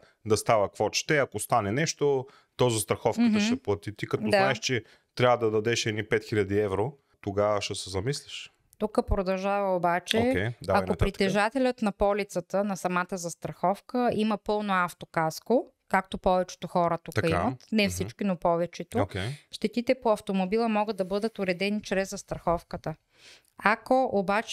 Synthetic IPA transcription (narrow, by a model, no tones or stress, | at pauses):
d̪ɐst̪avɐkvɔt͡ʃɛ̥t̪ɛɐkost̪anɛnɛʃt̪o | t̪ɔzəst̪ɾɐxɔfkk̪ʃɛplˠɐt̪it̪ikɐt̪ɔznaɛʃt͡ʃɛ | t̪ɾʲavəd̪ɐd̪ɐd̪ɛʃɛnipɛt̪xilʲɐd̪iɛvɾo | t̪oɡavəʃɛsɛzɐmislʲiʃ | t̪ukəpɾod̪ɐlˠʒavɐobat͡ʃɛɛd̪aɐoɾit̪t̪ɛʒat̪ɛlʲət̪nɐpɔlit̪sət̪ənɐsɐmat̪əzɐst̪ɾɐxɔfkəiməpɤlˠnoaft̪okasko | kak̚t̪opɔvɛt͡ʃɛ̥t̪oxɔɾət̪ukəimət̪nɛfsit͡ʃkinopɔvɛt͡ʃɛt̪ookʲɛʃt̪ɛt̪it̪ɛpoɐft̪omobilˠəmɔɡəd̪ɐbɤd̪ət̪ʊɾɛd̪ɛnit͡ʃɾɛzzːɐst̪ɾɐxɔfkət̪ə | akoʔobat͡ʃ